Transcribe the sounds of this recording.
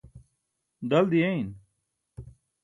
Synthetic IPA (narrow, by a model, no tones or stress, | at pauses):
d̪ɐld̪iein